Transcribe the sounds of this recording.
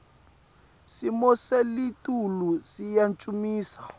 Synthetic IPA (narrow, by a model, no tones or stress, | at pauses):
simɔselitʼulusijant͡ʃʼumiːsḁ